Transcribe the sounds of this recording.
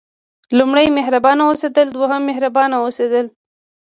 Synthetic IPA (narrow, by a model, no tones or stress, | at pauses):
lumɽəjmeɦɾabɑnawosed̪əld̪waɦəmːɪɦɾabɑnawosed̪əl